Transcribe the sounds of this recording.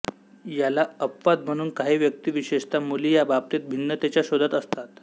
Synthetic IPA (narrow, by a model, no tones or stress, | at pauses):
jalaəpfat̪̚m̤əɽ̃uːnkaɦiːʋjək̚t̪iːʋiɕeʂt̪amuliːjabap̚t̪et̪̚bʱinːət̪et͡ɕjaɕod̪ʱat̪əst̪at̪